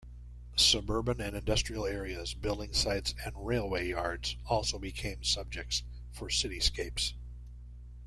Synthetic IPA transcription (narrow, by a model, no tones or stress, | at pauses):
sɨbɜ˞bɨ̃nɨ̃nɨ̃ndʌstɹ̥il̩ˠɛɹiɨzbɪlˠdɪ̃ŋsaɪtsɨ̃nɹeɪlˠweɪjɑɹdz̥ɔlˠsoʊbɨkʰẽɪ̃msʌb̚d͡ʒɨk̚ts | fə˞sɪɾiskeɪps